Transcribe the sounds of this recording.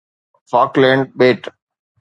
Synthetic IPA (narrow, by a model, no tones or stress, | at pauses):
fɔːklɛ̃ːɳɖ̚beːʈ